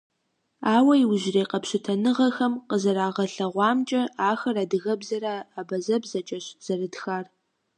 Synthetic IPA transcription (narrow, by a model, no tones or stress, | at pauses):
aːwɐjwʑreːqɐpɕɪtʰɐnɨʁɐxɐmqəzɐɾaːʁɐɬɐʁʷɑːmt͡ʃʼɐaːxɐraːdɨɣɐbzɐɾaːaːbɐzɐbzɐt͡ʃʼɐɕz̥ɐrɨdxaːr